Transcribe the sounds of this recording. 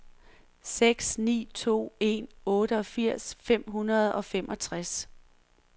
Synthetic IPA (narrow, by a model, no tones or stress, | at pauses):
seɡ̥snḭːt͡sʰo̝̰ːe̝nɔ̽ːɾəɒ̽fiɐ̰sfem̰ɦunɐð̞̩ˠɒ̽femʔɒ̽t͡sʰʁas